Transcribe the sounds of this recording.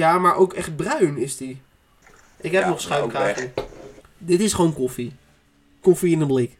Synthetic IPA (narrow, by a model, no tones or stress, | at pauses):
jamaɹʔowkɛχt̚brœɥnɪsti | ʔɪkhɛpnɔχsχœwkaːti | dɪtɪsχʋoːnkofi | kofiɪnənblɪk